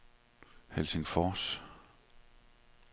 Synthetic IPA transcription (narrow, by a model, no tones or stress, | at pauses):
helseŋfɒːs